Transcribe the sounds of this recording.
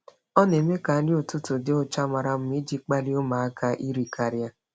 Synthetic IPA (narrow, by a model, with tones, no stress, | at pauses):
ɔ˦ne˨me˦ka˨˦lɪ˦o˨tʊ˦tʊ˨dɪ˦ʊ˦t͡ʃa˦ma˨ɾa˨m̩˦mi˦d͡ʒi˦k͡pa˦li˦o˦ma˨a˦ka˦ʔi˦ɾi˨kʰa˨ɾja˦